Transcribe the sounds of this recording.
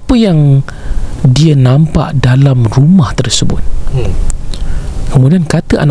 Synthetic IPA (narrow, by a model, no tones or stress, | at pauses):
pəjaŋ | diənãmpa̰ʔdalamrumaht̪ərsəbʊ̰t̪̚ | kəmudiankat̪əʔa̰na